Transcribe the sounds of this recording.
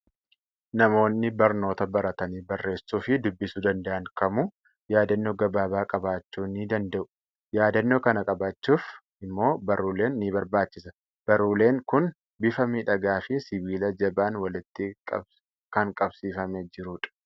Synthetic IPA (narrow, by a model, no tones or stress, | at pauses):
nɐmo̞ːnːɪbɐɾno̞ːt̪ɐbɐɾɐt̪ɐniːbɐrːe̞ːsːuːfɪd̪ʊbːɪsud̪ɐnd̪ɐʔɐŋkɐmu | jaːd̪ɐnːoːɡɐbaːbaːkʼɐbaːt͡ʃːuːniːd̪ɐnd̪ɐʔʊ̥ | jaːd̪ɐnːoːkɐnɐkʼɐbaːt͡ʃːuːf | ɪmːo̞ːbɐɾuːle̞ːnːiːbɐɾbaːt͡ʃːɪsɐ̥ | b̥ɐɾuːle̞ːŋkʊn | bɪfɐmiːᶑɐɡaːfɪsɪbiːlɐd͡ʒɐbaːnwɐlɪt̪ːɪ | kɐŋkʼɐbsiːfɐmɛd͡ʒɪɾʊːᶑɐ̥